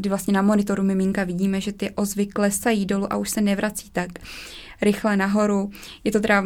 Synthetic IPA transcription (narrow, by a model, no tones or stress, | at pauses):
dɪvlastɲɛnamo̞nɪt̪o̞ɾumɪmɪŋkavɪɟiːmɛʒɛt̪ɪʔo̞zvɪklɛsajiːdo̞luʔa̰ʔuʃsɛnɛvɾat͡siːt̪ak | ɾɪxlɛnaɦo̞ɾujɛt̪o̞t̪ɛɾa